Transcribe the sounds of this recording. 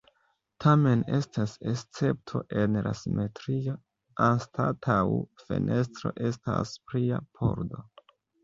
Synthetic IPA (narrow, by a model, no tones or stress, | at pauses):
tʰame̞ne̞stasest͡se̞p̚tʰoʔe̞nla̰simʔe̞tɾio | anstatʰawfe̞̰nʔe̞s̬tɾo̞ʔe̞sta̰spɾiapʰo̞̰ɾdo̞